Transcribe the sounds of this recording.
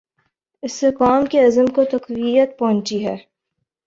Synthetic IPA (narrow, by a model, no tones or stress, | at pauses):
ɪsːekaːmkeɐzəmkot̪ɐqwijət̪̚pɐɦʊ̃nt͡ʃiɦɛː